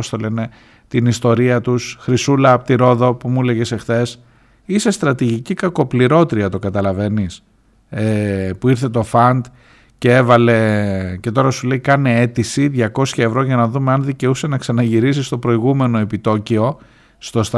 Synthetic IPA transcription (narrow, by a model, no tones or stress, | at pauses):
ost̪o̞le̞ne̞ | t̪inist̪o̞ɾiɐt̪usxɾisulɐpt̪iɾo̞ðo̞pumule̞ʝese̞xθe̞s | ise̞st̪ɾɐt̪iʝicikɐko̞pliɾo̞t̪ɾiɐt̪o̞kɐt̪ɐlɐve̞nis | epuiɾθe̞t̪o̞fɐnd̪ | ce̞evɐle̞ce̞t̪o̞ɾɐsule̞ikɐnee̞t̪isiðʝɐko̞sçɐe̞vɾo̞ʝɐnɐðumeɐnðice̞usenɐksɐnɐʝiɾisist̪o̞pɾo̞iɣume̞noe̞pit̪o̞cio̞ | st̪o̞st̪